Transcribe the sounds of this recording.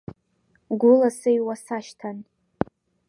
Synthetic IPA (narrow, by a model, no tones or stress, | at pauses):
ɡʷʊlasɨjwasaʃtʰan